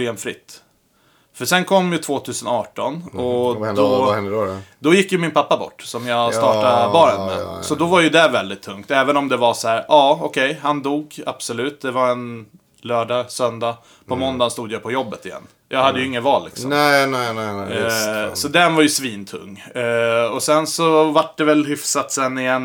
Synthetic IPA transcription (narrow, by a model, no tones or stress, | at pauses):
eːmfɾɪ̰t̪ː | fœʂɛnkʰɔmːjɵt̪ʰvoːt̪ʰʉ̟ːsənɑːʈɔnɔd̪ɔɛd̪ɔjɪkːjɵmɪnpʰapːabɔ̰ʈːsɔmjɑɡst̪ɑːʈabɑːɾɛnd̪ə̰sɔd̪ɔvaɾjɵd̪ɛvɛld̪ɪt̪ʰːɵŋkt̪ɛːvənɔmd̪ɛvasɔhæːɾʔɑːɔkʰɛjhand̪uːɡa̰b̥sɔlʉ̟ːt̪̚d̪ɛvaɛn | lœːɖɑːsœnd̪a | pʰɔmɔnd̪anst̪uːd̪əjapʰɔjɔbːət̪ɪjɛ̰nː | jʔɑ̰ːɡhad̪ːəjɵɪŋːəvɑːllːɪ̰ksɔmɛnɛɛ | sɔd̪ɛnvaɾjɵsviːnt̪ʰɵ̰ŋː | ɔsɛnsɔvaʈɖ̪ɛvɛlɦɪfsat̪sɛnːɪjɛnː